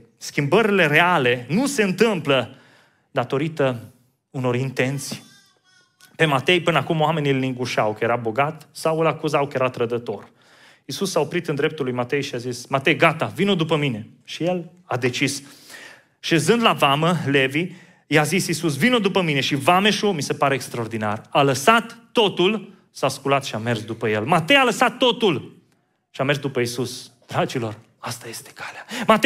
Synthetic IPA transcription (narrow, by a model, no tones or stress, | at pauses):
skʲimbəɾile̞ɾe̞ale̞nuse̞ɨnt̪ɨmplə | d̪at̪o̞ɾit̪ə | uno̞ɾint̪e̞nt̪si̥j | pe̞mat̪e̞jpɨnəakumowame̞nʲilniŋɡuʃawkəje̞ɾabo̞ɡat̪sawɨlakuzawkəje̞ɾat̪ɾəd̪ət̪o̞r | isusao̞pɾit̪ɨnd̪ɾe̞p̚t̪ulːujmat̪e̞jʃiazismat̪e̞jɡat̪avinod̪upəmine̞ | ʃije̞l | ad̪e̞t͡ʃis | ʃe̞zɨnd̪lavaməle̞vi | jazisisus̬vinod̪upəmine̞ʃivameʃumise̞paɾeːkst̪ɾaord̪ina̰raləsat̪ːo̞t̪ul | saskulat̪ʃiame̞rsd̪upəjelmat̪e̞jaləsat̪ːo̞t̪ul | ʃiame̞rsd̪upəisusd̪̥ɾat͡ʃilo̞r | ast̪aje̞st̪e̥kʰḁleamat̪